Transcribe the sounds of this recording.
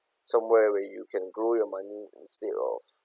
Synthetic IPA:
sãmwɛwɛjukʰɛ̃nɡɹojɔmãniḭ̃nstedɔ̰f

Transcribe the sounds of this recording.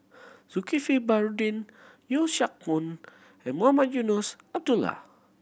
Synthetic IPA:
sukifibaɾudin | joʃak̚mun | ɛmoamad͡ʒunusab̚dula̰

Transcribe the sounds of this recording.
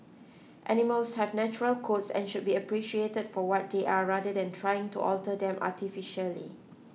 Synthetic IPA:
ʔɛniməlshɛvnɛt͡ʃuɹəlkʰotsɛ̰̃nʃʊd̚biəpɹiʃietəd̥fɔwɔt̚deʔaɹadədɛ̃ntʰɹajɪ̃ŋtuʔɔltədɛ̃mʔa̰tʰifiʃəlḭ

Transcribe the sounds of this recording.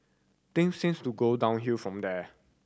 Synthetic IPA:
t̪ɪ̃ŋsĩnstuɡodãʊ̃nɦiəfɹɔ̃md̪ɛ

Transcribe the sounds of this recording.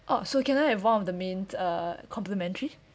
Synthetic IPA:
ʔasokɛ̃najhɛvwãnɔfdəmẽnəkʰɔ̃mpləmɛ̃ntəɹi

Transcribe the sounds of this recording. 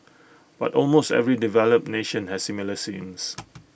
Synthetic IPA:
b̥a̰tɔlmostɛ̰vɹidivɛləp̚neʃə̃nhɛssimiləsĩms

